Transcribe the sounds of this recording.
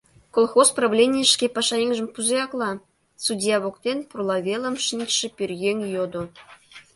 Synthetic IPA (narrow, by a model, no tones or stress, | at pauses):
kolˠxospravlʲenʲijəʃkʲepɑʃɑeŋʲʒɘ̆mpuzejɑklˠɑ | sudʲijɑβokt̪ʲenʲpurlˠɑvʲelˠə̆mʃinʲt̪ʃɘ̆pʲyrʲɣʲeŋʲjod̪ŏ